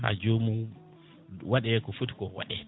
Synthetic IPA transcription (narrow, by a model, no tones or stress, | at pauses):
a̰d͡ʒomu | waɗɛkɔfutkɔwa̰ɗɛ